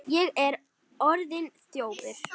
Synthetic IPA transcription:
jɛɣɛɾ | ɔɾðɪnst̪joːwpɪɾ̥

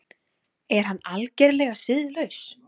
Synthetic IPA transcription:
ɛɾ̥ɦanːalcɛɾlɛɣasɪðlœɥs

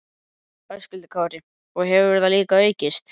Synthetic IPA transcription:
œɾscʏlt̪ɪ̥kʰaːwɾɪ | ɔɣɦɛvɪvɛɾðθaliːkaœːɥcɪst̪

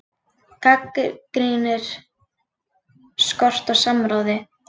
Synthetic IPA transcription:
kʰakkɾinɪɾ̥ | skɔr̥t̪awsamɾaːwðɪ

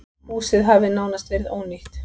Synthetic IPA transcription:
muːsɪðɦavɪnaːwnast̪vɛɾɪðoːwniht̪

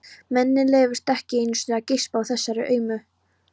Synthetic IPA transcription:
mɛnːɪlɛːvʏɾst̪ɛhcɪejnʏ̥sinacɪspawθɛsːaɾɪʔœːɥmʏ

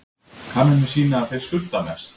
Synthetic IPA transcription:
kʰanːɪnɪsiːnaːðθejð̥skʏlt̪amɛst̪

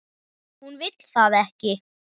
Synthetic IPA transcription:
hunvɪt̪kθaːðɛhcɪ

